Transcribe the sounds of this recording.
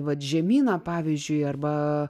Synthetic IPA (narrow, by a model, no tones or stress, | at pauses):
ʋɐt̪ʒʲɛmʲiːnɐpɑːʋʲiːzʲd͡ʒʲʊɪɐrbɐ